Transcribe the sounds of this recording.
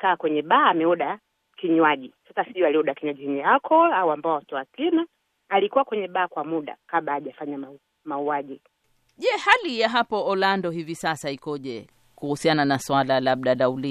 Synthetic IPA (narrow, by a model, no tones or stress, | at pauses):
kaːkwɛɲɛɓaːmɛɔɗa | kiɲwaʄisasasiɔaliɔɗakiɲwaʄiɛɲɛalkʰɔlauambaɔatɔakina | alikuwakwɛɲɛɓaːkwamuɗa̰kaɓaːʄafaɲaa | mauaʄi | ʄɛhalijaɦapɔɔlandɔɦivisasaikɔʄɛ | kuhusiananaswalalaɓɗalauli